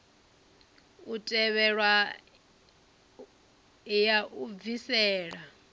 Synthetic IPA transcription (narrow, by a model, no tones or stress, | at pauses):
utʼɛβɛɺwa | jaʔuvisɛːɺa